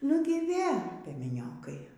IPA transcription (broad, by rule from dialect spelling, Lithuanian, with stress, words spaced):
ˈnʊɡʲɪ ˈʋʲeː pʲiɛmʲɛˈnʲoːkɐɪ